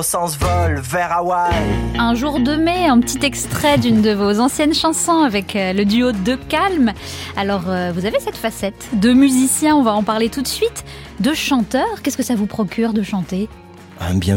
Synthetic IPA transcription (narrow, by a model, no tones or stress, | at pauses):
sɑ̃svɔlvɛʁawajɛ̃ʒuʁd̪əmɛeɛ̃pət̪ʰit̪ɛkst̪χɛd̪ynd̪əvozɑ̃sjɛnʃɑ̃sɔ̃avɛkləd̪yod̪əkalmalɔʁøvuzavesɛt̪fasɛt̪d̪əmyzisjɛ̃ɔ̃vaɑ̃paʁlet̪ut̪sɥit̪ | d̪əʃɑ̃t̪œːʁkʲɛskəsavupχɔkʲyʁd̪əʃɑ̃t̪e | ɛ̃bjɛ̃